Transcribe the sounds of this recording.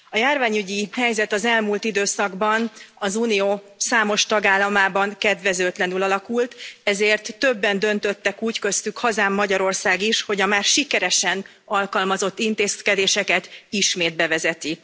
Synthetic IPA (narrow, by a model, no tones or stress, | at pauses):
ɒjaːrvaːɲyɟihɛjzɛt̪ɒzɛlmuːlt̪id̪øːsɒɡbɒnɒzuːnijoː | saːmo̞ʃt̪ɒɡaːlːɒmaːbɒŋkɛd̪ʋɛzøːt̪lɛnylɒlɒkult̪ɛzeːrt̪ːø̞bːɛnd̪ø̞nt̪ø̞t̪ːɛkuːckø̞st̪ykhɒzaːmːɒɟɒɾo̞rsaːɡiʃho̞ɟɒmaːrʃikɛɾɛʃɛn | ɒlkɒlmɒzo̞t̪ːint̪eːskɛd̪eːʃɛkɛt̪iʃmeːd̪̚bɛvɛzɛt̪i